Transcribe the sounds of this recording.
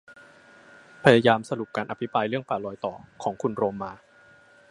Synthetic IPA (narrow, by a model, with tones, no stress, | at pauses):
pʰa˧jaː˧jaː˧msa˧ɾu˨˩p̚kaː˧nʔa˧pʰi˦˥pɾaː˧jɾɯ˥˩əŋpaː˨˩lɔː˧jt̪ɔː˨˩kʰɔː˩˦ŋkʰu˧nɾoː˧mːaː˧